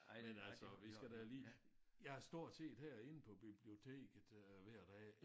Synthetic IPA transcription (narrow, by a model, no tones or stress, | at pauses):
menælsɒʋisɡ̥æd̥æliː | jɑ̈hɑsd̥o̝ɐ̰̥se̝̰ːd̥hæɐ̰e̝n̩pʰɒ̽b̥ib̥lio̝t͡sʰe̝̰ːɡ̥əð̩̥ˠʋæɐ̰d̥ɛ̰ː